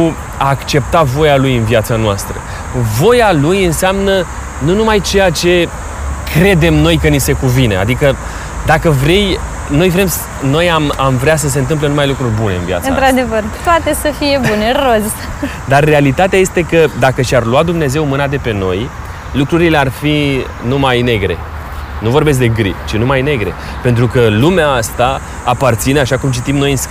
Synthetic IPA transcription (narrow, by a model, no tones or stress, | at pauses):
u | aːkt͡ʃe̞p̚t̪avo̞jalujɨnvjat̪sanoast̪ɾə̰ | vo̞jalujɨnseamnə | nunumajt͡ʃe̞jat͡ʃe̞ | kɾe̞d̪e̞mno̞jkənise̞kuvinea̰d̪ikə | d̪akəvɾe̞j | no̞jvɾe̞ms | no̞jamamvɾeas̬əs̬e̞nt̪ɨmp̬lenumajlukɾurʲbune̞ɨ̰nvia̰t̪sɨnaɾad̪evərt̪oat̪e̞səfije̞buneroz | d̪arːe̞alit̪at̪eaje̞st̪e̞kəd̪akəʃarluat̪̚d̪umne̞ze̞wmɨnad̪e̞pe̞no̞j | lukɾuɾile̞arfi | numajne̞ɡɾe̞̰ | nuvo̞rbe̞s̬k̚d̪e̞ɡɾḭt͡ʃinumajne̞ɡɾe̞̰ | pe̞nt̪ɾukəlumeaast̪aː | part̪sineaʃakumt͡ʃit̪imno̞jɨns